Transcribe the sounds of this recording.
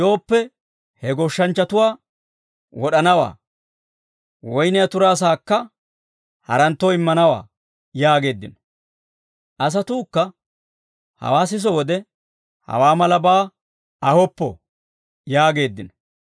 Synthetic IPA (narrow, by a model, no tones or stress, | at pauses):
jo̞ːpːɛ | hɛɡɔʃːɐnt͡ʃːɐt̪ʊwaː | wɔɗɐnɐwa̰ː | wɔjnɪjɐt̪ʊɾaːs̬aːkːɐ | hɐ̰ɾɐnt̪ːɔɪmːɐnɐwa̰ː | jaːɡe̞ːd̪ːɪn | ʔɐs̬ɐt̪uːkːɐ | hɐ̰waːs̬ɪs̬ɔwɔd̪ɛ | hɐ̰waːmɐlɐbaː | ɐhɔpːɔ̰ | jaːɡe̞ːd̪ːɪnɔ